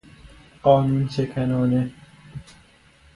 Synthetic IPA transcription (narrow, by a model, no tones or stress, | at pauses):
qɑːnuːnsekʰænɔːne